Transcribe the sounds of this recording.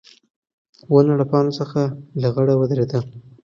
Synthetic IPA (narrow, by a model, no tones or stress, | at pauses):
wənaɽapɑnosəxalaɣəɽawəd̪ɾed̪a